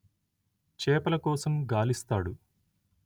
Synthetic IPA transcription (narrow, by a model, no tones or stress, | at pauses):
t͡ʃɛːpɐlɐkɔːsɐmɡaːlist̪aːɽu